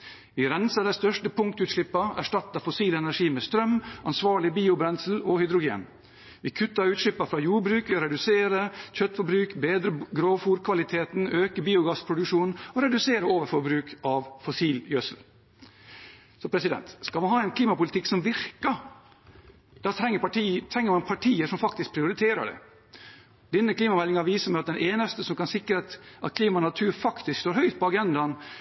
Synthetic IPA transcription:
ʋɪɾɛnsəd̪æɪst̪œʂʈəpʰʊŋkt̪ʉːt̪ʂɭɪpːəæ̰ʂʈɑt̪ːəfɔsiːlɛnæʂiːmeːst̪ɾœmʔɑnsʋɑːɭɪbiːʊbɾɛnsl̩ɔhʏd̪ɾʊɡḛːn | ʋɪkʰʉt̪ːəɾʉːt̪ʂlɪpːəfɾɑːjuːɾbɾʉːkʋɪɾɛd̪ʉseːɾəçœt̪ːfɔbɾʉːkbeːd̪ɾəɡɾoːfuːɾkʰʋɑlɪt̪ʰeːt̪nøːkəbiːʊɡɑspʰɾʊd̪ʉkʂuːnɔɾɛd̪ʉseːɾəoːʋəɾfɔɾbɾʉːkʔɑʋfɔsiːljœsl | sɔpʰɾɛsɪd̪ɛ̰nt̪skɑlmɑnɦɑːɛnkʰliːmɑpʊlɪt̪ʰɪksɔmʋɪɾkə | d̪ɑːt̪ʰɾɛŋəʈit̪ʰɾɛŋːəɾmɑnpʰɑʈʰiːəʂɔmfɑkt̪ɪsk̚pʰɾɪʊɾɪt̪ʰeːɾə̰ɖɛ̰ | d̪ɛnːəkʰliːmɑmɛlːɪŋɑʋiːsəmɛɪɑt̪̚d̪ɛnʔeːnəst̪əsɔmkɑnsɪkɾət̪ʔɑt̪kʰliːmɑnɑt̪ʰʉːɾfɑkt̪ɪskst̪oːɾhœʏt̪̚pɔɑɡɛnd̪ɑn

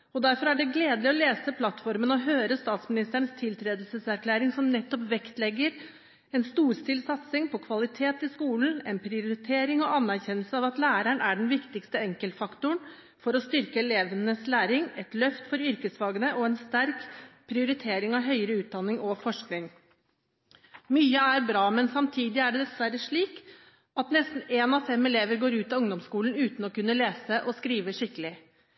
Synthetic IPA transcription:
ɔd̪æɾfɔɾæɖɛɡleːd̪lɪɔleːsəpʰlɑt̪fɔɾmənɔɦøːɾəst̪ɑːt̪smɪnɪst̪əɳəst̪ʰɪlt̪ʰɾeːd̪lsəsæɾkʰlæːɾɪŋsɔmnɛt̪ːɔpʋɛkt̪lɛɡːəɾ | ɛnst̪uːɾst̪ɪlsɑt̪sɪŋpʰɔkʰʋɑlɪt̪ʰeːt̪ɪskuːlən̩ɛ̰npʰɾɪʊɾɪt̪ʰeːɾɪŋɔʔɑnːæɾçɛnːəlsəɑʋɑt̪læːɾæɳæɖɛnʋɪkt̪ɪkst̪əɛŋkəlt̪fɑkt̪ʊɳ | fɔɾɔst̪ʏɾkəɛleːʋənəslæːɾɪŋɛt̪lœft̪fɔɾʏɾkəsʋɑːɡənəʔɔɛnst̪æɾkpʰɾɪʊɾɪt̪ʰeːɾɪŋɑʋɦœʏəɾəʉːt̪̚d̪ɑnːɪŋɔfɔʂknɪŋ | myːəæɾbɾɑːmɛnsɑmt̪ʰiːd̪ɪæɖɛd̪ɛsʋæɾəʂɭiːk | ɑt̪nɛst̪n̩eːnɑfɛmɛleːʋəɾɡoːɾʉːt̪ɑʊŋd̪ɔmskuːln̩ʉːt̪n̩ɔkʉnːəleːsəʔɔskɾiːʋəʂɪkəlɪ

